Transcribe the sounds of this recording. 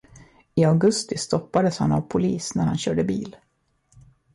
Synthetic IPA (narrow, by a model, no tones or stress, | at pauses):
ɪaɡɵst̪ɪst̪ɔpːad̪əsha̰navpʰʊliːsnæɾhanɕœːɖəbiːl